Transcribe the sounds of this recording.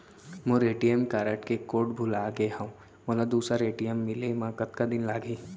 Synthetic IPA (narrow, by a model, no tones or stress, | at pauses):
mõɾeːʈijəmkaːɾəʈkekoːʈbʱʊlaːɡeɦãũ | oːlad̪uːsɾaɾeːʈijəmːɪlemãkɐt̪kad̪ɪnlaːɡiː